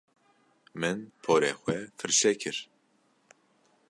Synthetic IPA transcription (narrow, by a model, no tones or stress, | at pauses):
mɨnpʰoːɾeːxʷɛfɨɾʃɛkʰɨɾ